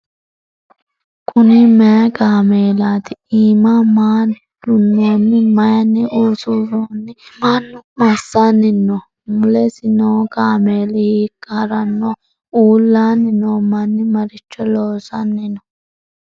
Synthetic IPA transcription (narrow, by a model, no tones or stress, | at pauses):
kʰʼʊnɪmɛjɐɡaːmeːlaːt̪ɪiːmamaːn | d̪̥ʊnːoːnːɪmɐjɐnːɪʔuːsuzoːnːɪmanːʊmɐsːanːɪnːɔ | mʊlɛsɪnoːɡaːmeːlɪhikːɐɾɐnːɔ | uːlːaːnːɪnoːmɐnːɪmɐɾɪt͡ʃːɔloːsɐnːɪnɔ